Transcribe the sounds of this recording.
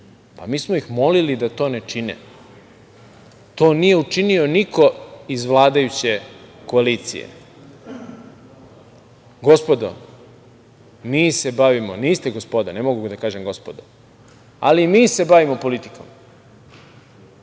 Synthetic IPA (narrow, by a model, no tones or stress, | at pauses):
pamiːsmoixmo̞lilid̪at̪o̞ːne̞t͡ʃinḛ | t̪o̞ːnije̞ut͡ʃinio̞niko̞izʋlˠaːd̪ajut͡ɕe̞ko̞aliːt̪sḭjḛ | ɡo̞spo̞d̪o̰ | miːse̞baʋimoniːst̪eɡospo̞d̪anemo̞ɡuɡd̪akaːʒe̞mɡo̞spod̪o | a̰limiːse̞baʋimo̞po̞lit̪i̥ko̞m